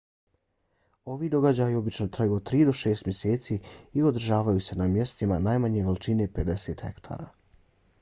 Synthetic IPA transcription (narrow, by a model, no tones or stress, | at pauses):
o̞ʋid̪o̞ɡad͡ʑaːjio̞bit͡ʃno̞t̪ɾajuːod̪̚t̪ːɾiːd̪o̞ʃe̞ːst̪mjeseːt̪siːio̞d̪r̩ʒaːʋajuse̞namje̞st̪imanaːjmaɲe̞ʋelit͡ʃine̞pe̞d̪e̞se̞ːt̪xe̞̰kt̪ʰa̰ːɾa̰ː